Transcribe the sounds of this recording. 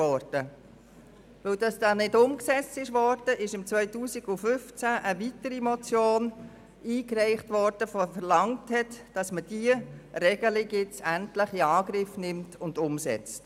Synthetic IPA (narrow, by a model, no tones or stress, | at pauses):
ɔɾd̥ə | ʋɵld̥ɑsd̥ɑːnɪdʊmksɛt͡stɪʃʋɔɾd̥əʔɪʃɪmt͡svœʏtuːsiɡʊfʏft͡sæʔəʋitəɾimɔt͡sjoːn | iːkrɛɪχtʋɔɾd̥əffəɾlɑŋthɛtd̥ɑsməd̥iəɾɛɡəlɪɡjɪt͡sæntləχiɑːɡɾɪfnɪmtʊnd̥ʊmsɛ̰t͡st